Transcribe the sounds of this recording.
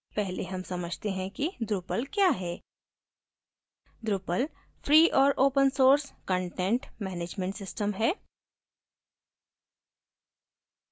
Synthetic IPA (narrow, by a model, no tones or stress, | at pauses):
pɛɦleɦɐmsɐməd͡ʒʱt̪eɦɛ̃kid̪ɾʊpəlkjaːɦɛː | d̪ɾʊpəl | fʰɾiːʔɔːɾʔoːpənsoːɾskə̃ɳʈẽɳʈmɛːneːd͡ʒmẽɳʈsɪsʈəmɦɛː